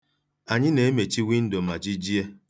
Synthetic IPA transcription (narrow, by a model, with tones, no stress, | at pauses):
a˨ɲɪ˦ne˨e˦me˨t͡ʃi˦wi˦n̩˦do˨ma˨d͡ʒi˦d͡ʒi˦e˦